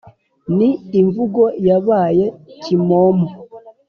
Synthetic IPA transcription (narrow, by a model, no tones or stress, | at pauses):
niːɱvuɡojaβaːjecimomo